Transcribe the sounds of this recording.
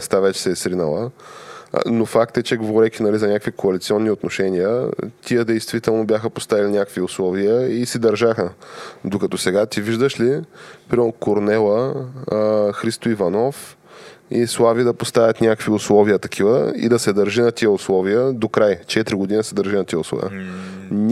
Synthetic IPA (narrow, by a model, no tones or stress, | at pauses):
st̪avɛt͡ʃɛ̥sɛsɾinə̰lˠə̰ | nofak̚t̪ɛt͡ʃɛɡovoɾɛkʲinɐlizɐnʲakəkvikʰoɐlit̪siɔnːiot̪noʃɛniə̰t̪ʲiəd̪ɛjst̪vit̪ɛlˠnobjaxəpost̪avilʲinʲakəkviʊslˠɔviəisɛd̪ɐɾʒaxəd̪okɐt̪ɔsɛɡat̪iviʒd̪əʃlipɾimkoɾnɛlˠə | xɾist̪oivɐnɔf | islˠavid̪ɐpost̪avʲjɐt̪nʲakəkviʊslˠɔviət̪ɐkʰivəḭd̪ɐsɛd̪ɐɾʒinɐt̪iəʊslˠɔviəd̪okɾajt͡ʃɛt̪ɾiɡod̪inəsɛd̪əɾʒinɐt̪iəʊslˠɔ̰vḭən